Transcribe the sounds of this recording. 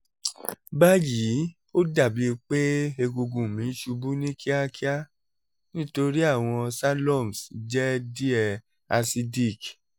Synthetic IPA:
ba˦ji˨˦ | o˦da˦˨bi˨˦˧k͡pe˦e˧ɡo˧ɡũ˨mĩ˨˦n̩˦ʃu˧bu˦nĩ˦ki˦a˦ki˦a˦ | nĩ˦to˧ɾi˦a˦˨w̃ɔ̃˧sa˦lɔ˦˨m˨sd͡ʒɛ˦di˦ɛ˨ | a˧si˧di˦˨k

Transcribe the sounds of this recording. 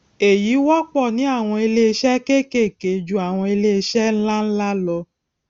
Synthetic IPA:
e˨ji˨˦wɔ˦k͡pɔ˦˨nĩ˨˦a˦˨w̃ɔ̃˧e˧le˦˧ʃɛ˦ke˦˨ke˦˨ke˨˦d͡ʒũ˨a˨w̃ɔ̃˧e˧le˦˧ʃɛ˦n̩˦la˦n̩˦la˦lɔ˧

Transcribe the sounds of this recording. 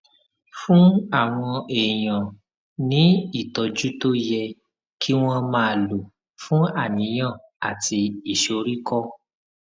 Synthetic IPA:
fũ˦a˦˨w̃ɔ̃˧e˨j̃ã˨ | nĩ˨˦i˦˨tɔ˨d͡ʒu˦to˦jɛ˧ | kʰi˦w̃ɔ̃˦mãː˧lo˨ | fũ˦a˦˨nĩ˨˦j̃ã˦˨ | a˨ti˧i˨ʃo˨˧ɾi˦kɔ˦

